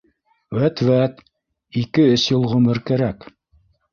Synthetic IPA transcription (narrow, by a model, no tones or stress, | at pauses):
wæt̪væt̪ | ikɘɵsjɤ̆lˠʁɵ̆mɘɾkæɾæk